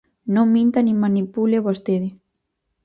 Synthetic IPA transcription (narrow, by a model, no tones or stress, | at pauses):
nõŋmĩnt̪animanipuleβost̪eði